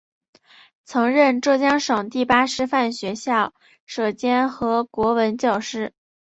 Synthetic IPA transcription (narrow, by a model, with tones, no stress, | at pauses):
t͡sʰɤ˧˥ŋɻə˥˧nʈ͡ʂɤ˥˩t͡ɕjɑ˥ŋʂɤ˨˩ŋt̪i˥˩pa˥ʂɻ̩˥fa˥˩nɕɥɛ˧˥ɕjɑ˥˩ʊ | ʂɤ˨˩t͡ɕjɛ˥nxɤ˧˥kwɔ˧˥wə˧˥nt͡ɕjɑ˥˩ʊʂɻ̩˥